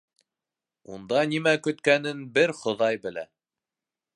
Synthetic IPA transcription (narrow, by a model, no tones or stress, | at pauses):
und̪ɑnimækɵ̆t̪kænɘnbɘɾχŏðɑjbɘ̆læ̰